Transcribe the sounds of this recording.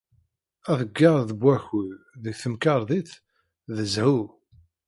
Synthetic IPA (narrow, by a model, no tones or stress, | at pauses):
æðəɡːɑɾˤðəbwæçuððəɡθəmkɑɾˤðiθ | ðəzhu